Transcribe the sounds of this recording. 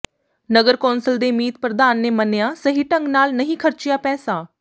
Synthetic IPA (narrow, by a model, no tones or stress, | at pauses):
nəɡəɾkɔːnsəld̪eːmiːt̪̚pɾəd̪aːnːeːmənejaːsəɦiːʈəŋɡnaːlnəɦĩːkʰəɾt͡ʃɪjaːpɛːsaː